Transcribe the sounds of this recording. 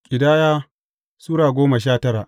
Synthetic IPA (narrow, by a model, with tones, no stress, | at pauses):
kʲʼɪ˨daː˦jaː˦ | suː˦ɽaː˨ɡʷoː˦mɐ˨ʃ̬aː˦tɐ˦ɾa˨ʔ